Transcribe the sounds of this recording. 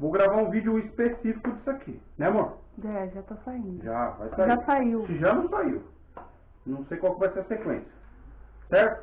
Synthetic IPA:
vowɡɾavaɾũvid͡ʒʊispesifikʊd͡ʒisɪakʰinɛ̃mõɾ | ɛʒat̪asaĩnd̪ʊʒava̰jsaiʒasaiwɪʒanɐ̃w̃saiw | nɐ̃w̃sejkwawkɪvajseɐsekwḛ̃sjɐsɛɾt̪ʊ

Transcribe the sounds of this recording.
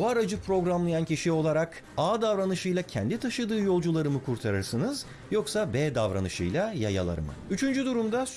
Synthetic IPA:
uaɾad͡ʒɯpʰɾo̞ɡɾamlˠajancʰiʃio̞lˠaɾak | aːd̪avɾanɯʃɯjlˠacʰɛnd̪it̪ʰaʃɯd̪ɯːjo̞lˠd͡ʒulˠaɾɯmɯkʰuɾt̪ʰaɾɯɾsɯnɯz | jo̞ksabeːd̪avɾa̰nɯʃɯ̰jlˠajaja̰lˠa̰ɾɯ̰mɯ̰yt͡ʃʰynd͡ʒyd̪uɾumd̪as

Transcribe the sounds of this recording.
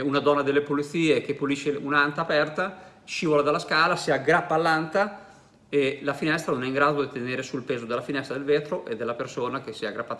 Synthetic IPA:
unad̪ɔnːad̪elːepolit̪siːek̟epuliʃeunant̪aːpɛrt̪a | ʃiːvolad̪alːaskaːlasiaɡɾapːaːlːant̪a | elafinɛst̪ɾanonɛiŋɡɾaːd̪od̪it̪eneːɾesulpeːzod̪elːafinɛst̪ɾad̪elveːt̪ɾoʔed̪ːelːapersoːnak̟esiaɡːɾapːaːt̪a

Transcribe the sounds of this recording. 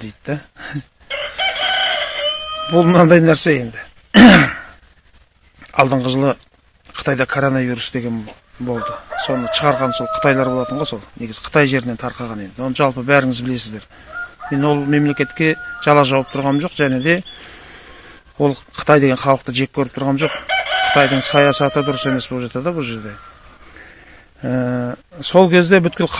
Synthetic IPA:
d̪ejd̪d̪æ | bʊlˠmənɑnd̪ɑjnæɾse̞je̞nd̪ɪ | ɑ̰lˠd̪əɴʁəʒəlˠə | qʰə̥ɑjd̪ɑkʰo̞ɾo̞nɑvijɾusd̪e̞ɡʲe̞n | bo̞lˠd̪əso̞nəʃʰəʁɑɾʁɑnso̞lˠqʰə̥t̪ɑjlˠɑɾbo̞lˠɑt̪əɴʁɑso̞lˠne̞ɡɪzɪ̥qʰə̥t̪ʰɑjʒe̞ɾɪnet̪ʰɑɾqɑʁɑne̞nd̪ɪwonəʒɑlˠpəbæɾɪŋɪzbɪle̞sɪzd̪e̞ɾ | me̞nwo̞lˠme̞mle̞kʲe̞t̪kʲe̞ʒ̥ɑlˠɑʒɑwəp̚t̪ʰʊɾʁɑnmʒo̞qʒæne̞d̪e̞ | wolˠqʰə̥t̪ɑjd̪e̞ɡʲeχɑlˠəq̚t̪əʒe̞k̚ʲkʲʰɵɾɪp̚t̪ʰɾʁɑnʒo̞qqʰə̥t̪ɑjd̪əɴsɑjɑsɑt̪əd̪ʊɾəse̞me̞sbolˠpʒɑt̪ɑd̪əbʊlˠʒe̞ɾd̪e̞ | əso̞lˠkʲʰe̞zd̪e̞bʏt̪̚kʲɪlqʰ

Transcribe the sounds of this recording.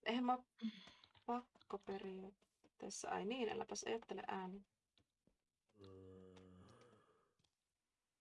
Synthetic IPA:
ʔehmɑ | pɑkːopeɾiɑt̪ː | eːsːæʔɑ̰jniːnʔḛlʔæ̰pæsʔɑ̰jɑt̪ːeleʔæːni

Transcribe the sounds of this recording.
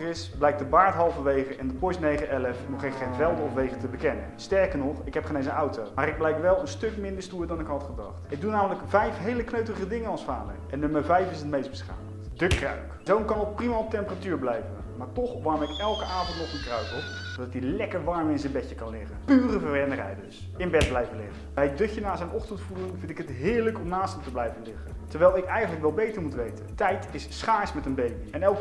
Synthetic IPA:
ɪsblɛjk̚dəbaːɹtɦɑlˠvəʋejχəʔɛndəpɔsnejχəɛləfnɔχeχenvɛlˠdəɔfʋejχətəbəkɛnəstɛɹkəɹnɔχɪkɦɛpχənejnzəɑwtowmaːɾɪɡ̚blɛjkʋɛlˠənstɵkmɪndəɹstuːɹdɑnɪkɦɑtχədɑ̰χtɪɡ̚dunaːmələkvɛjfɦejləknøɥtərəχədɪŋənɑlˠsfaːdə̰rɛnːɵməɹvɛjfɪsətmejst̚bəsχa̰ːmətdəkrœ̰ɥkzownkɑnɔt̚primaɔp̚tɛmpəratyːɹblɛjvənmaːɹtɔχʋɑɹmɪkɛlˠkəʔaːvɔntnɔχənkrœɥtɔ | dɑtilɛkəɹʋɑɹmɪnzənbɛcəkɑnlɪχənpyːrəvəɹʋɛndərɛ̰jdəs | ɪnbɛd̚blɛjvəlɪ̰χəbɛjədɵkənaːzɛjnʔɔχtəntfulɪŋvɪntɪkɦətɦɪːɹləkɔmnaːstəmtəblɛjvənlɪχəntəɹʋɛjlˠɪkɛjχənləkʋɛlˠbejtəɹmutʋejtə̰ntɛjtɪssχaːsmɛtənbejbiɛnɛlˠk

